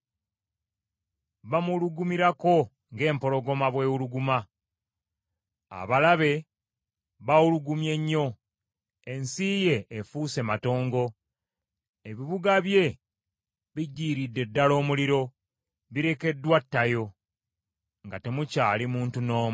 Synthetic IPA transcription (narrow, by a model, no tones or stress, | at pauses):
βamuluɡumiɾako̞ | ŋɡe̞ːmpo̞ɾo̞ɡo̞maβwe̞ːwuluɡuma | a̰βalaβe̞ | βawuluɡumje̞ɲːo̞ | e̞nsiːje̞ːfuːse̞mato̞ːŋɡo̞ | e̞βiβuɡaβje̞ | βiɟːiːɾidːe̞dːalo̞ːmuliɾo̞ | βiɾe̞ke̞dːwatːajo̞ | ŋɡate̞mucaːlimuːntuno̞ːmu